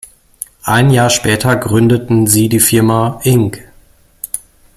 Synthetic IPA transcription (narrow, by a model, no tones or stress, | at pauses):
ʔaɪnjaːɐʃpɛːtʰɐɡʁʏndətn̩ziːdiːfɪɐmaʔɪŋk